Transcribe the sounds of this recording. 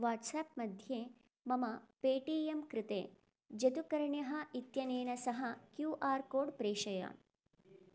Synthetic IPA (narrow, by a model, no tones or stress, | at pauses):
ʋaːʈsaːpmɐd̪ʱjeː | mɐmɐpeːʈiːemkɾɪt̪ḛː | d͡ʒɐt̪ukɐɾɐɳjɐɦɐ̆it̪jɐneːnɐsɐɦɐkjuːʔaːɾkoːɖpɾeːʃɐja̰ːn